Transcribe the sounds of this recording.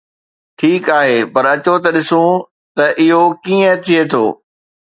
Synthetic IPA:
ʈʰiːkaːɦeːpɐɾɐt͡ɕot̪ɐɗɪsũ | t̪ɐʔɪɦokiːə̃t̪ʰiet̪ʰo̰ː

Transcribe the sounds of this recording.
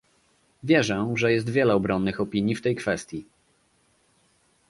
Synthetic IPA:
vʲjɛʐɛʐɛjɛs̬t̪vʲjɛlɛɔbɾɔnːɘxɔpʲiɲjift̪ɛjkfɛst̪ʲji

